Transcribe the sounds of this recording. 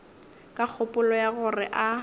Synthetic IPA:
kʼak͡xʰʊpʼʊlɔjaɣʊrɪ̰ʔa

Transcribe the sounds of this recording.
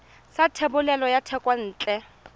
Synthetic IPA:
satʰebʊlɛlɔjatʰɛkʼwan̩ːt͡ɬʼɛ

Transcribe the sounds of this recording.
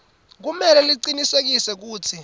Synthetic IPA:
k̬umɛlɛliǀinisek̬isɛk̬uːt͡sʰi

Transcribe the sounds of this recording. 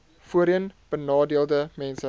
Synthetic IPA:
fuəɾiənb̥ənɑːdiəlˠdəmɛnsə

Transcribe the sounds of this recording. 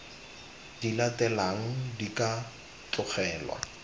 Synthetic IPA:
d̥ilatɛlaŋ̩dika | tʊχɛːlwa̰

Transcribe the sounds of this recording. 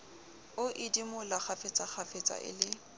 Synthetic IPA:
ʊʔɪdimʊlak͡xafet͡sʼaχʰafet͡sʼa̰ʔɪ̰lɪ

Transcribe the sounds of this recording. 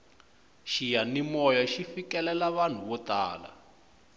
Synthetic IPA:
ʃijanimɔjaʃifikɛlɛlaβan̤uβɔta̰ːla̰

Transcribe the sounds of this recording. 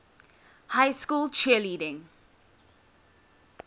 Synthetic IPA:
haɪskuːlˠt͡ʃʰiəliːɾɪ̃ŋ

